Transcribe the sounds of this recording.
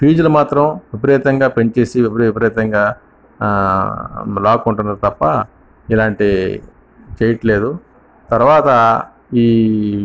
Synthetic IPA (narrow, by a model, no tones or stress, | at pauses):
piːd͡ʒulumaːt̪ɾɐmʋipɐɾɛːt̪ɐŋɡaːpeɲt͡ʃe̞ːsiʋipɐɾʋipɐɾɛːt̪ɐŋɡaː | laːkuɳʈunːaːɾut̪ɐpːɐ | ilaːɳʈi | t͡ʃeːjɐʈle̞ːd̪u | t̪ɐɾuʋaːt̪ɐ | iː